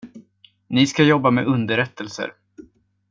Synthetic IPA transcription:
nɪskajɔbːamɛɵnd̪əɾɛt̪ːəlsə̰ɾ

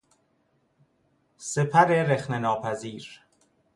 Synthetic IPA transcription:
sepʰæɾeɾexnenɒːpʰæziːɾ

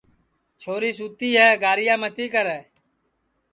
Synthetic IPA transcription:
t͡ʃʰoːɾiːsuːt̪iːɦɛːɡaːɾɪjãːmət̪iːkəɾɛː

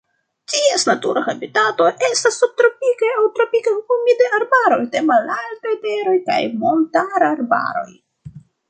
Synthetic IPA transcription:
tiesnatuɾahabitato̞ʔe̞stasːub̚tɾo̞pikaawtɾopikahumidaaɾbaɾo̞jde̞malaltajte̞ɾo̞jka̰jmo̞ntaɾaɾba̰ɾo̞̰j

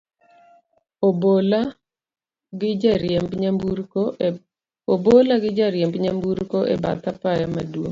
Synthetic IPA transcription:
obola | ɡɪaɾembɲambuɾo | obolaɡɪd͡ʒaɾjembɲambuɾkoʔɛ̰ba̰t̪apajamadwoŋ

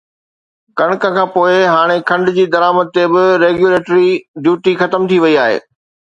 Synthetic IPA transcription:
kɐɽ̃kə̃kʰãːpoːɪɦaːɽ̃ekʰɐ̃ɳɖd͡ʑiːd̪ɐɾaːməd̪̚t̪ebɪɾeːɡjuleːʈɾiɖjuːʈixɐt̪əmt̪ʰiʋɐiaːɦḛː

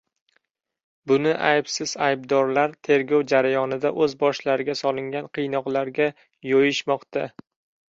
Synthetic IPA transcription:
bʊnɪʔajbsɪz̥ajb̚d̪ɒɾlaɾt̪ʰe̞ɾɡʲɒwd͡ʒaɾajɒnɪd̪aʔɵzbɒʃlaɾɪɡʲasɒlˠɪŋɡʲanqʰɨjnɒqlˠaɾɡʲa | jojɪʃmɒqt̪ʰa

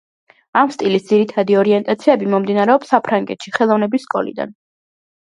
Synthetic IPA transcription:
amst̪ʼilisd̪z̥iɾit̪ʰad̪iɔɾiɛnt̪ʼat̪sʰiɛbimɔmd̪inaɾɛɔpsːapʰɾaŋɡɛ̰t̪ʃiχɛlˠɔvnɛbisːkʼɔlḭd̪a̰n

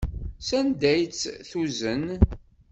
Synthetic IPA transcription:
sænd̪æjt͡sːθuzən

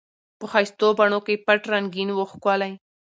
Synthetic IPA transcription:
pəxajst̪obaɳokejpaʈɾaŋɡinwoxkwalaj

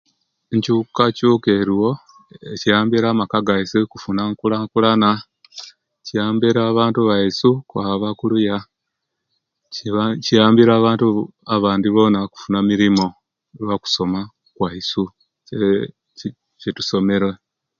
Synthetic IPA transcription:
eɲcukacuːke̞ːɾiwo̞ | ecijaːmbiɾaːmakaɡaisikufunaŋkulaŋkulana | ciaːmbiɾaːβaːntuβaisukwaβakuluja | cijaːmbiɾaːβaːntu | aβaːndiβo̞naku̥funamiɾimo̞ | eβaku̥so̞ma | kwaisu | e | cetu̥so̞meɾwe

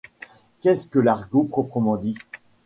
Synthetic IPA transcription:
kʲɛskəlaʁɡopχɔpχəmɑ̃d̪i

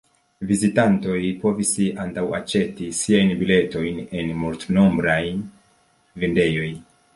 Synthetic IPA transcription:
vizitanto̞jpo̞visantawat͡ʃe̞tisiajnbile̞to̞jne̞nmultno̞mbɾaj | vinde̞jo̞j

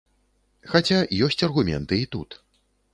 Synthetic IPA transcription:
xat͡sʲajɔsʲt͡sʲɐrɣumʲɛ̰nt̪ɨit̪ut̪

